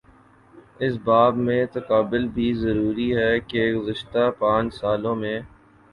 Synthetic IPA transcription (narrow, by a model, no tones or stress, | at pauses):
ɪsbaːbmẽt̪ɐkaːbɪlbʱizɐɾuːɾiɦɛkeɡʊzɪʃt̪apãːt͡ʃsaːlõmẽː